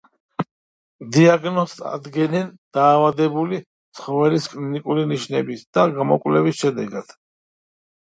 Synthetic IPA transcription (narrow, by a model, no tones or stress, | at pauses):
d̪iaɡnɔst̪a̰d̪ɡɛnɛnd̪̥aːvad̪ɛbuli | t̪sʰχɔvɛliskʼlinikʼuliniʃnɛbisd̪̥aɡamɔkʼwlɛvisʃɛd̪ɛɡad̪̥